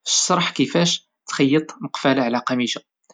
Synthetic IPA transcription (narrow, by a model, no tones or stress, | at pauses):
ʃɑɾˤħkəfæʃ | t̪xɑjːət̪ˤnəqfælaʕlæqɑmiʃa